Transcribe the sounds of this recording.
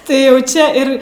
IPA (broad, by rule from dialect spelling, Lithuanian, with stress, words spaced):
ˈtɐɪ jɛʊ ˈt͡ʃʲɛ ɪr